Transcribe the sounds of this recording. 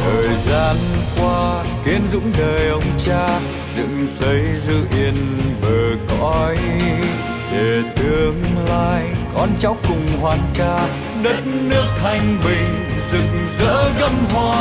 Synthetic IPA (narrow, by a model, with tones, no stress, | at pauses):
t̪ʰəː˨˩jzaː˧nkwaː˧ki˨˦ənzʊ̰˧˥ŋ͡mɗəː˨˩jʔə˧wŋ͡mt͡ɕaː˧ | zɨ̰˧˨ŋsə˨˦jzɨ˧ʔi˧˩ənvəː˨˩kɔ̰˧˥j | ɗe˨˩t̪ɨ˧əŋlaː˧jkɔ˧nt͡ɕa˨˦wkʊ˨˩ŋ͡mhwaː˨˩nkaː˧ | ɗə˨˦˥t̚nɨ˦˥ək̚t̪ʰa˨˧˩jŋ̟ɓï˨˩ŋ̟zɨ˧˨ŋzə̰ː˧˥ɣə˧mhwaː˧˩